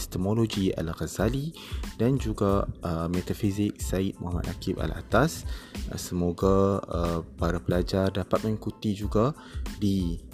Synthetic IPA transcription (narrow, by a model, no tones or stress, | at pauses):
st̪əmolod͡ʒia̰lɣazali | dand͡ʒuɡaʔəmet̪afizɪk̚sait̪̚mʔɔɦama̰t̪akipa̰la̰t̪assəmoɡaəpaɾapəlad͡ʒardapat̪̚mə̃ŋikut̪id͡ʒuɡa | di